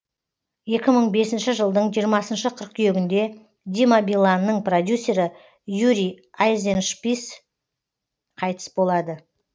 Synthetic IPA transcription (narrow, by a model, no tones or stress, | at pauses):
je̞kʲɪməɴbe̞sɪnʃɪʒəlˠd̪əɴʒijəɾmɑsənʃəqʰəɾəq̚t̪ʰʏjeɡʲɪnd̪e̞ | d̪ʲimabilˠanːəɴprod̪ʲjusʲːe̞ɾɪ | juɾʲi | ajzenʃpis | qʰɑjt̪ə̥sbo̞lˠɑd̪ə